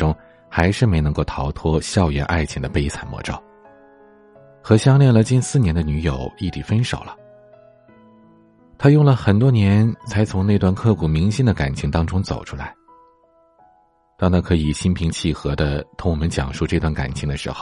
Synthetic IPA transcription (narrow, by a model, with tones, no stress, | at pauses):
ʊ˥ŋ | xa˧˥ɪʂɻ̩˥˩me˧˥ɪnɤ˧˥ŋko˥˩ʊt̪ʰɑ˧˥ʊt̪ʰwɔ˥ɕjɑ˥˧ʊɥɛ˥nʔa̰˥˩ɪt͡ɕʰi˧˥ŋd̪ə˨pe˥ɪt͡sʰa˨˩nmwɔ̰˧˥ʈ͡ʂo̰˥˩ʊ | xɤ˧˥ɕjɑ˥ŋljɛ˥˩nlə˩t͡ɕi˥˧nsɹ̩˥˩njɛ˧˥nd̪ə˧ny˧˥jo˨˩ʊi˥˩t̪i˨˩fə˥nʂo̰˨˩lə˦ | t̪ʰa˥jʊ˥˩ŋlə˩xə˨˩nt̪wɔ˥njɛ˧˥nt͡sʰa˧˥ɪt͡sʰʊ˧˥ŋne˥˧ɪt̪wa˥˧nkʰɤ˥˩kʰu˨˩mi˧˥ŋɕi˥nd̪ə˨ka̰˨˩nt͡ɕʰi˧˥ŋt̪ɑ˥ŋʈ͡ʂʊ˥ŋt͡so̰˨˩ʊʈ͡ʂʰu˥la˧˥ɪ | t̪ɑ˥˧ŋna˥˩kʰɤ˧˥i˨˩ɕi˥npʰi˧˥ŋt͡ɕʰi˥˩xɤ˧˥d̪ə˧t̪ʰʊ˧˥ŋwɔ˨˩mə˦nt͡ɕjɑ̰˨˩ŋʂu˥˧ʈ͡ʂɤ˥˧t̪wa˥˩nka̰˨˩nt͡ɕʰi˧˥ŋd̪ə˧ʂɻ̩˧˥xo˧ʊ